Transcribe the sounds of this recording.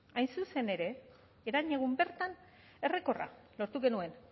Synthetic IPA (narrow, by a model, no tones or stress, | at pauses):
ajnsuse̞ne̞ɾe̞ː | ɾaɲeɣ̞umbe̞ɾt̪an | e̞re̞ko̞ra̰lo̞ɾt̪uɣe̞nue̞n